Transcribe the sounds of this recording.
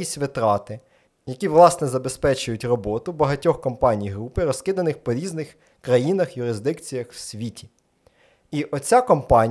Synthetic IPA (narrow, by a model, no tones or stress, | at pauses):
isʲʋɪt̪ɾɑt̪ɪ | jɐkʲiʋlˠɑsnɛzɐbespɛt͡ʃʊjʊtʲrɔbɔt̪ʊbɐɦɐtʲɔxkɔmpɑnʲijɦɾupɪɾɔskɪd̪ɐnɪxpɔɾʲiznɪx | kɾɐjinɐxjʊɾɪzd̪ɪkt͡sʲijɐxwsʲʋʲitʲi̥ | iʔɔt͡sʲakɔmpɑnʲ